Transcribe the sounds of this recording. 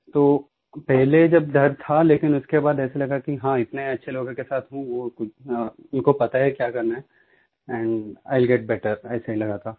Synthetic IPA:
t̪oː | pɛɦled͡ʒɐb̚d̪ʱɐɾt̪ʰaleːkɪnʊskebaːd̪ɛːselɐɡakiɦãɪt̪neɐtːʃʰeloːɡkesaːt̪ɦũʋokʊʊnkopɐt̪aɦɛkjaːkɐɾnaɦɛ | ɛ̃ɳɖa̰ːɪlɡɛʈ̚bɛʈəɾɛ̰ːsaɦilɐɡat̪ʰaː

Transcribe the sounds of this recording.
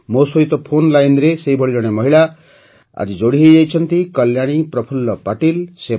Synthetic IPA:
mosojt̪opʰonlajnɾesejbʱʌɭiɾʌɽ̃emʌɦiɭa | a̰d͡zid͡zoɽiɦejʌjt͡sʰʌnt̪ikʌljaɽ̃iprʌpʰulːʌpaʈilse

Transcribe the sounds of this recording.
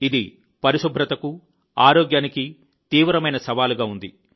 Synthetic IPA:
id̪i | pɐɾiʃubʱɾɐt̪ɐku | aːɾoːɡjaːniki | t̪iːʋɾɐmɐjnɐsɐʋaːluɡaːund̪ḭ

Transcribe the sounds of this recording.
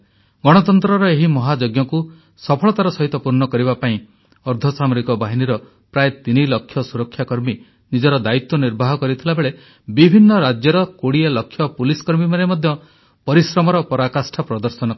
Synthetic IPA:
ɡɔɽ̃ɔt̪ɔnt̪ɾɔɾɔeɦimɔɦad͡ʒoɡjɔku | sɔpʰɔɭɔt̪aɾɔsɔɦit̪ɔpuɾnɔkɔɾiβapaĩ | ɔɾd̪ʱɔsamɔɾikɔbaɦiniɾɔ | pɾaet̪inilɔkʰːjɔsuɾɔkʰːjakɔɾmi | nid͡ʒɔɾɔd̪ait̪wɔniɾbʱaɦɔkɔɾit̪ʰilabeɭe | bibʱinːɔɾad͡ʒjɔɾɔkoɽialɔkʰːjɔpulisɔ̥kɔɾmimanemɔd̪ʱjɔ | pɔɾisɾɔmɔɾɔpɔɾakasʈʰapɾɔd̪ɔɾsɔnɔ

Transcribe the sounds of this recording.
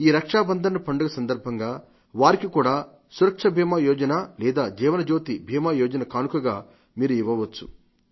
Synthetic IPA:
iːɾɐkʂaːbɐnd̪ʱɐnɐpɐɳɖuɡɐsɐnd̪ɐɾbʱɐŋɡaː | ʋaːɾikikuːɽaː | suɾɐkʂɐbʱiːmaːjɔːd͡ʒɐnɐlɛːd̪aːd͡ʒɛːʋɐnɐd͡ʒo̞ːt̪ibʱiːmaːjɔːd͡ʒɐnɐkaːnukɐɡaː | miːɾuiʋːɐʋɐt͡ʃːu̥̰

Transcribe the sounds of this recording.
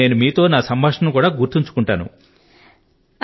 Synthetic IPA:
e̞ːnumiːt̪o̞ːnaːsɐmbʱaːʂɐmukuːɽaːɡuɾt̪iɲt͡ʃu̥kuɳʈaːnṵ

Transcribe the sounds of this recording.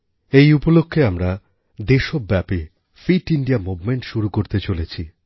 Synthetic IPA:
ejupolokʰːeamɾa | d̪eʃobːɛpi | fiʈiɳɖiamubmeɳʈʃuɾukoɾt̪et͡ɕolet͡ɕʰi

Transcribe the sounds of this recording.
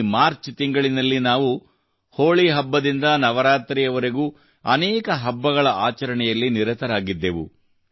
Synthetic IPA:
maːɾt͡ʃt̪iŋɡɐɭinɐlːinaːʋu | hoːɭiɦɐbːɐd̪ind̪ɐnɐʋɐɾaːt̪ɾijɐʋɐɾeɡuː | ɐ̰nɛːkɐɦɐbːɐɣɐɭɐʔaːt͡ʃɐɾɐɳɛjɐlːiniɾɐt̪ɐɾaːɡid̪ːeʋṵ

